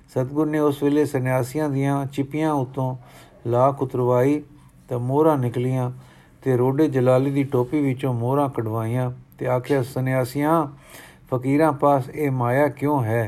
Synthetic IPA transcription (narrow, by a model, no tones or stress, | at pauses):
sət̪ɡʊɾneːʊsʋeːleːsənjaːsɪjãːd̪ɪjãːt͡ʃɪpɪjãːʊt̪ːõː | laːkʰʊt̪ɾʋaːiː | t̪ãːmoːɾãːnɪklɪjãː | t̪eːɾoːɖeːd͡ʒəlaːliːd̪iːʈoːpiːʋɪt͡ʃõːmoːɾãːkəɽʋaːijãːt̪eːaːkʰjaːsənɪjaːsɪjãː | pʰəkiːɾãːpaːseːmaːjaːkjõːɦɛː